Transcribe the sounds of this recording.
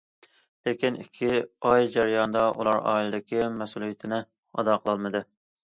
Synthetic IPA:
lekʲinḭkʲʰːiɑjd͡ʒæɾɪjɑnd̪ɑʔṵlˠɑɾɑ̰ːilɨd̪ɪkʲimɛsulˠijɪt̪ʰɪnɪ | ɑ̰d̪ɑqʰəlˠɑlˠmɨd̪ɨ

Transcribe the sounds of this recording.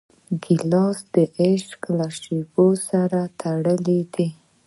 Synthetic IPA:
ɡɪlɑsd̪̥əʔeʃklaʂebosaɾat̪ʰaɽəlid̪i

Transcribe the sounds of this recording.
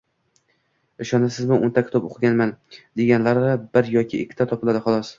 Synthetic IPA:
ɪʃɒnasɪzmɪʔʊnt̪ʰakʲʰt̪ʰɒpoqʰɡʲanmand̪e̞ɡʲanlaɾabɪɾjɒkʲʰɪʔɪ̰kʲʰːɪ̥t̪ʰat̪ʰɒpɪlad̪ɪχʊlˠɒs

